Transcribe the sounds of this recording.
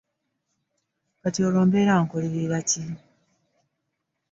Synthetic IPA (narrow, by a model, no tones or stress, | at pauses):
katioloːmbeɾaːŋkoliβiɾaci